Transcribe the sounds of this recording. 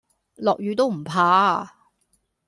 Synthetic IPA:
lɔː˨k̚jyː˨˧t̪o˥wm̩˨˩pʰaː˨˥

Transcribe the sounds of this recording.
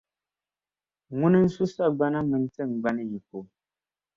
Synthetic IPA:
ŋu˦nə˦n̩˦su˦sa˦˨ɡ͡ba˦na˦mə˨n̩˦t͡sə˦˨ŋ˨ɡ͡ba˦ni˦˨ji˨ko˨

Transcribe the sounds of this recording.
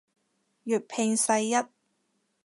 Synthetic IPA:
jyː˨˩t̚pʰɪ˧ŋsɐ˧jːɐ˥t̚

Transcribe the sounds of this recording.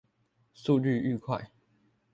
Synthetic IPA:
su˥˧y˥˨y˥˧kʰwa̰˥˨ɪ

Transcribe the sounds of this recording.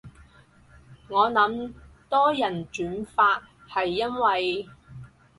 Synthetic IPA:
ŋɔː˨˧nɐ˨˥m | t̪ɔː˥jɐ˨˩nt͡ʃyː˨˥nfaː˧t̚ | hɐ˨jːɐ˥nwɐ˨j

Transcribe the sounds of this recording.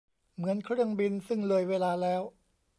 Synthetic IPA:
mɯ˩˦ənkʰɾɯ˥˩əŋbi˧nsɯ˥˩ŋlɤː˧jweː˧laː˧lɛː˦˥w

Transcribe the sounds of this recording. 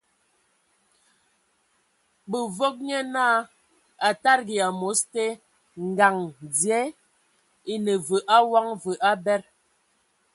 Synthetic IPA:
bə˨vo˦k̚ɲɛ˦na˦˨ | a˨ta˦ɾɡi˨a˨mo˨˦ste˦ | ŋ˨ɡa˨ŋd͡zje˨˦ | i˦nə˨və˨ʔa˦wa˦ŋvə˨ʔa˦bɛ˦ɾ

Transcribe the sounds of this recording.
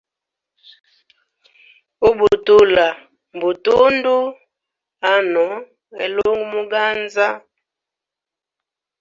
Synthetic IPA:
u˦bu˨tu˦la˨ | m˨bu˨tu˦ndu˦ | a˦nɔ˨˦ | ɛ̰˨lo˦ŋɡu˦mu˦ɡa˦nza˦

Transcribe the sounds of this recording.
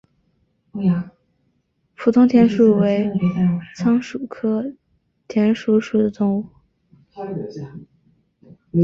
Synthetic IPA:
pʰu˨˩t̪ʰʊ˥ŋt̪ʰjɛ˧˥nʂu˨˩we˧˥ɪt͡sʰɑ˥ŋʂu˨˩kʰɤ˥ | t̪ʰjɛ˧˥nʂu˧˥ʂu˨˩d̪ə˦t̪ʊ˥ŋu˨˥˩

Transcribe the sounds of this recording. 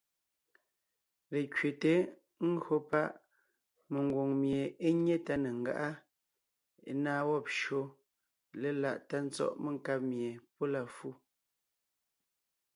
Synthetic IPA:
le˨kɥe˨te˨˦ | ŋ̩˦ɡɰo˦pa˦ʔ | me˨ŋ˨ɡwo˨ŋmje˨e˦ɲe˦ta˦ne˨ŋ˨ɡa̰˦ʔa˦ | naː˦wɔ˦˨p̚ʃo˦ | le˦la˨ʔta˦n̩˦t͡sɔ̰˦ʔme˦˨ŋ˨ka˦p̚mje˨po˦la˨fu˦˨

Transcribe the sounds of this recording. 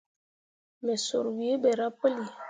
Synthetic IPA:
mɛ˨so˨ɾwi˨e˦be˨ɾa˦pə˦li˨

